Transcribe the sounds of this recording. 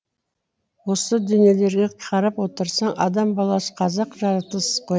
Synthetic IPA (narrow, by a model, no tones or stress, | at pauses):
wo̞səd̪ʏne̞le̞ɾɡʲeqʰɑɾɑpwo̞t̪əɾsɑɴʔɑ̰d̪ɑmbɑlˠɑsə̥qʰɑzɑqʒɑɾɑt̪əsz̥qʰoj